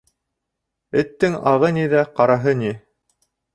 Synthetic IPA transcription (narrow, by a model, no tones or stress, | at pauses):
ɘ̆t̪ːɘŋɑʁɤniðæqɑɾɑɦɤnʲi